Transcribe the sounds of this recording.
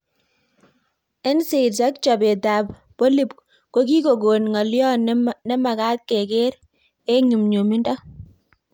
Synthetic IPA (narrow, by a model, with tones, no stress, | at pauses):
ɛ˦nse˨tsa˦k̚t͡ʃɔ˨be˨ta˨p | po˦li˨p | ko˦k̬i˦ko˨ɡo˨nŋa˨ljɔ˦nnɛ˦ma˨ka˦t̪̚ke˨ke˦ɾ | e˦ɲu˨mɲo˨mi˦ndɔ˦